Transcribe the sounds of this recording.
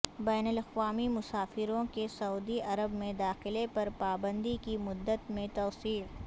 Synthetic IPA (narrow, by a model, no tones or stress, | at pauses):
bɛːnəlɐqʋaːmimʊsaːfɪɾõkesɐuːd̪iʔɐɾəbmẽd̪aːxɪlepɐɾpaːbə̃nd̪ikimʊd̪ːət̪mẽt̪ɔːsiː